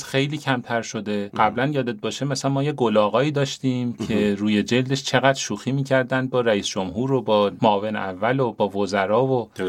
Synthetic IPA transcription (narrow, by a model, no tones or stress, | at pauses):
sxe̞jliːcʰæmt̪ʰæɾʃo̞d̪eɢæblænjɒːd̪e̞t̪̚bɒːʃemæsænmɒːjeɡo̞lɒːɣɒːiːd̪ɒːʃt̪iːmcʰe̞ɾuːje̞d͡ʒe̞ld̪e̞ʃt͡ʃʰe̞ɣæd̪ɾʃuːxiːmiːcʰæɾd̪ænd̪̚bɒːɾæiːsd͡ʒomɦuːɾobɒːmoːve̞nævːælobɒːvozæɾɒːvo